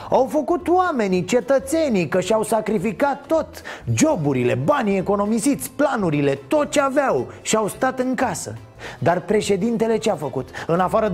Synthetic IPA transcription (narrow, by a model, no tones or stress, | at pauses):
awfəkut̪owame̞nit͡ʃe̞t̪ət̪se̞nikəʃiawsakɾifikat̪ːo̞t̪d͡ʒo̞buɾile̞̰banie̞ko̞no̞misit̪sʲplanuɾile̞t̪o̞t̪̚t͡ʃeavawʃiawst̪at̪ɨŋkasə̰ | d̪arpɾe̞ʃe̞d̪int̪e̞le̞t͡ʃeafəkut̪ɨnafaɾə